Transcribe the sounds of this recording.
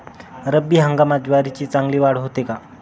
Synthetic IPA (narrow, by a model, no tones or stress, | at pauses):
ɾəbiːɦəŋɡamad͡ʑʋaɾit͡ɕiːt͡saŋɡliːʋaɽɦot̪eka